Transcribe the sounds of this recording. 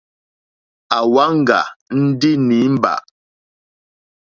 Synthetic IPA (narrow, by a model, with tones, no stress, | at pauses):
a˨wa˦ŋ̩˨ɡa̰˨n̩˦di˦ni˨˦m̩˦ba̰˨ʔ